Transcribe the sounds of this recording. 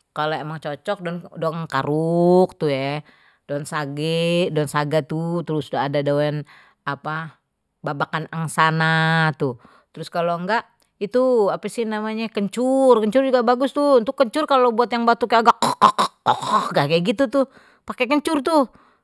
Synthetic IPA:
kaloemaŋt͡ʃot͡ʃɔk̚dɔndoŋka̰ɾuk̚t̪ujɛ | d̥ɔnsaɡɛdɔnsaɡat̪ut̪əɾʊsudaːdadawɛn | apa | babakanaŋsanat̪ʊ | t̪əɾʊskaloŋɡaʔ | it̪uapasɪhnamaɲakəɲt͡ʃʊrkəɲt͡ʃʊrd͡ʒuɡabaɡʊst̪ʊnt̪ʊkːəɲt͡ʃʊrkalobuat̪jaŋbat̪ukaaɡaʔɔɔ̰hɡakɛɡit̪ut̪ʊh | pakekəɲt͡ʃʊrt̪ʊh

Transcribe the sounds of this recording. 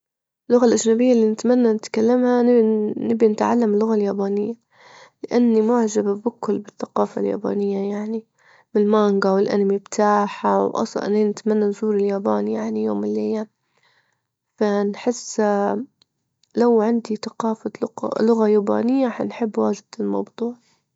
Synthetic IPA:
ʔɪlːʊɣalʔaʒnabɪjːalːinɪt̪manːanɪt̪kalːamhanɪbinɪt̪ʕa̰lːamlːʊɣaljaːbaːnɪjːa | lɪʔanːimʊʕʒabbʊkːʊlbɪθːaqɑːfa̰lja̰ːba̰ːnɪjːajaʕni | mɪlmaːŋɡawɪlʔa̰namibt̪ʰaːħawʔɑ̰sˤl̰ʔɪ̰nːeːnɪt̪manːanzuːɾɪljaːbaːnjaʕnijoːmɪlːejːa | fanħɪsː | lawʕɪnd̪iθaqɑːfal̰lʊɣajaːba̰ːnɪjːaħanħɪbːwaːd͡ʒɪd̪̥ɪlmɑ̰wd̪ˤuːʕ

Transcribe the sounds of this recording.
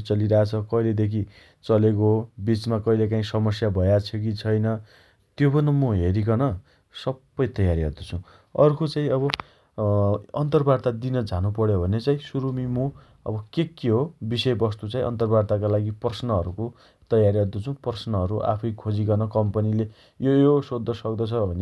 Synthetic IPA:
t͡sʌliɾʌat͡sʰʌkʌiled̪ekʰi | t͡sʌlekobit͡smakʌilekaĩsʌmʌsjabʱʌjat͡sʰʌk̬it͡sʰʌjnʌ | t̪jopʌnʌmuɦeɾikʌnʌ | sʌbːʌjt̪ʌjaɾiɦʌ̰d̪ut͡sʰũ | ʌrkot͡saĩʌβʌ | ʌnt̪ʌrbart̪ad̪inʌd͡zʱanupʌɽjobʱʌnet͡saĩsuɾumimu | ʌ̰bʌkekːeɦobisʌjbʌst̪ut͡sãĩʔʌ̰nt̪ʌrbart̪akalaɡipʌrsnʌɦʌɾuko | t̪ʌjaɾiɦʌd̪ʌt͡sʰũpʌrsnʌʌɾuʔa̰pʰʌjkʰod͡zikʌnʌkʌmpʌnile | jojosod̪ʱːʌsʌkd̪ʌt͡sʰʌbʱʌne

